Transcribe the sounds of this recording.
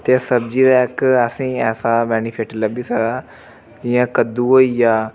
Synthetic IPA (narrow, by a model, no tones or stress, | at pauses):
t̪eːsəbd͡ʒiːd̪aːɪkəsĩːɛːsaːbɛːnipʰeʈləbiːsəɡaː | d͡ʒɪjãːkəd̪uːɦoːijaː